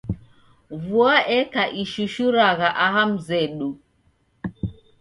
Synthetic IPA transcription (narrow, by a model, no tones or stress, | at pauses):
vuaʔɛkaʔiʃuʃuɾaɣaʔaɦam̩zɛɗu